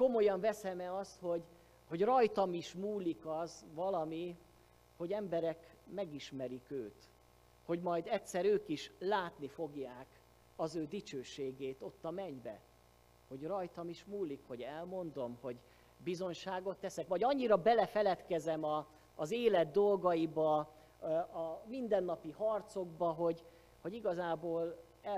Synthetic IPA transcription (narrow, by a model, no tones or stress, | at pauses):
ko̞mo̞jɒɱvɛsɛmɛɒst̪ho̞ɟ | ho̞ɟrɒjt̪ɒmiʃmuːlikɒzvɒlɒmi | ho̞ɟɛmbɛɾɛk | mɛɡiʃmɛɾikøːt̪ | ho̞ɟmɒjd̪ɛt̪sɛɾøːkiʃlaːt̪nifo̞ɡjaːk | ɒzøːd̪it͡ʃøːʃeːɡeːt̪o̞t̪ːɒmɛɲbɛ̰ | ho̞ɟrɒjt̪ɒmiʃmuːlːikho̞ɟɛlmo̞nd̪o̞mho̞ɟ | bizo̞ɲʃaːɡo̞t̪ːɛsɛkʋɒɟɒɲːiɾɒbɛlɛfɛlɛt̪kɛzɛmɒː | zeːlɛd̪̚ːo̞lɡɒjibɒ | ɒmind̪ɛnːɒpihɒrt̪so̞ɡbɒɦo̞ɟ | ho̞ɟiɡɒzaːboːl | ɛ